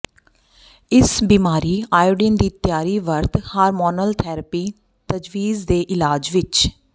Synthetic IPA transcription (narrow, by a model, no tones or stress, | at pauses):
ɪsbiːmaːɾiːaːjɖɪnd̪iːt̪jaːɾiːʋəɾt̪haːɾmɔːnəlt̪ʰɛːɾəpiː | t̪əd͡ʒʋiːzd̪eːʔɪlaːd͡ʒʋɪt͡ʃ